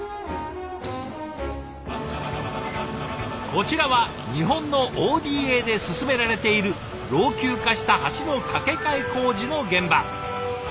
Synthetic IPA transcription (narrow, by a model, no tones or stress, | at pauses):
ko̞t͡ɕiɾaβa | ɲ̟iɦõ̞nːo̞ʔoːd̪ʲiːe̞d̪e̞sɨsɨme̞ɾaɾe̞t̪e̞iɾɯ̟ | ɾo̞ːkʲɨːkaɕi̥t̪ahaɕino̞kake̞kaiko̞ːʑino̞ɡẽ̞mba